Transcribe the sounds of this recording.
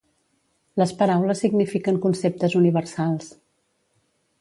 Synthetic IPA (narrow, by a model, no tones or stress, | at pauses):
ləspəɾawləsːiɡnifikəŋkunsep̚t̪əzuniβ̞ərsalˠs